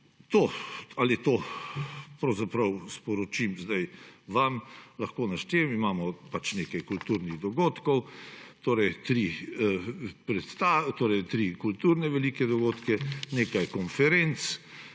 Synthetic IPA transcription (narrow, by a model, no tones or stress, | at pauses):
t̪oalit̪oː | pɾɐwzapɾɐwspɔɾɔt͡ʃimzd̪ajʋamlɐxkoːnaʃt̪emimaːmɔpat͡ʃneːkajkult̪uːɾniɣd̪ɔɡoːt̪kɔwt̪oːɾɛjt̪ɾi | pɾɛt̪st̪aːt̪oːɾɛjt̪ɾikult̪uːɾnɛʋɛliːkɛd̪ɔɡoːt̪kɛneːkajkɔnfɛɾent̪s